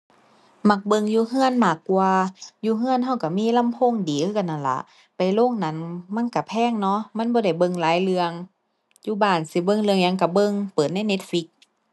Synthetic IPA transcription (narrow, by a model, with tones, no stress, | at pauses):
ma˧˩k̚bɤ˧˨ŋjuː˧ɦɯ˧˥˨ənmaː˧˩kːwaː˧juː˧ɦɯ˧˥ə˨nɦa˧˩wka˧˩miː˧˥˨la˧˥˨mpʰo˧˥˨ŋdiː˨˦ɯ˧a˧˩nːa˧˩nla̰˧˦ʔ | pa˨˩jlo˧˥˨ŋna˧˥˨nma˧˥˨nka˧˩pʰɛː˧˥˨ŋnɔ˧˥ma˧˥˨nbɔː˧ɾa˧˩jbɤ˧ŋlaː˨˦jlɯ˧əŋ | juː˧˦baː˧˩˨nsi˧˦bɤ˧˨ŋlɯ˧əŋɲa˧˨ŋka˧˩bɤ˧˨ŋpɤː˨˩t̪̚na˧˥˨jne˧˥t̪̚fi˧˦k̚